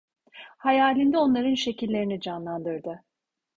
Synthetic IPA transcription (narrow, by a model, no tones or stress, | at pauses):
hajaːlʲind̪ɛo̞nlˠaɾɯnʃe̞cilʲːe̞ɾinid͡ʒanlˠand̪ɯɾd̪ɯ